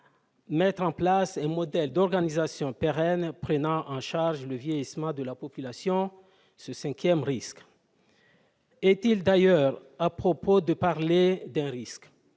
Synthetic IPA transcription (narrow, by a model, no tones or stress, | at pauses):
mɛt̪χɑ̃plasɛ̃mɔd̪ɛld̪ɔʁɡanizasjɔ̃peʁɛnpχənɑ̃ʔɑ̃ʃaʁʒləvjejismɑ̃d̪əlapɔpylasjɔ̃ | səsɛ̃kʰjɛmʁisk | ɛt̪ild̪ajœʁapχopod̪əpaʁled̪ɛ̃ʁisk